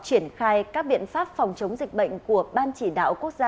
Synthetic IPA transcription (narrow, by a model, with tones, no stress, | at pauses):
t͡ɕi˧˩ənxaː˧jkaː˦˥k̚ɓḭ˧˨ənfaː˦˥p̚fɔ˨˩wŋ͡mt͡ɕə˨˦wŋ͡mzï˨˩k̟̚ɓə̰˧˨jŋ̟ku˧˩əɓaː˧nt͡ɕi˧˩ɗa̰ː˧˨wku˦˥ək̚zaː˧